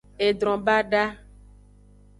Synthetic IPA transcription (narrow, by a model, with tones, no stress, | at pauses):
e˨d̪ɾɔ̃˨ba˦ɖa˦